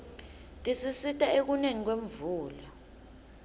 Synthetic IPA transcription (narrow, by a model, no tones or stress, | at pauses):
tʼisisitʼaek̬uneŋik̬weɱ̩vuːlɔ